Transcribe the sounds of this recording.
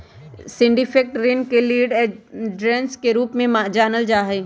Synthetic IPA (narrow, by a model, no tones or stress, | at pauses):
sɪ̃ɳɖifʰek̚ʈɾɪnkeliːɖɖɾẽːnskeɾuːpmẽmad͡ʒaːnəld͡ʒaːɦeː